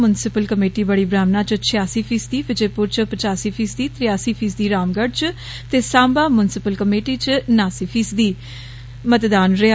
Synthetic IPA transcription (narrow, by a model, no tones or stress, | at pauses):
mʊnsɪpəlkəmeːʈiːbəɽiːbɾaːmnaːt͡ʃət͡ʃʰɪjaːsiːpʰiːsd̪iːpɪd͡ʒeːpʊɾt͡ʃpət͡ʃaːsiːpʰiːsd̪iːt̪ɾɪjaːsiːpʰiːsd̪iːɾaːmɡəɖt͡ʃ | t̪eːsãːmbaːmʊnsɪpəlkəmeːʈiːt͡ʃnaːsiːpʰiːsd̪iː | mət̪d̪aːnɾɪa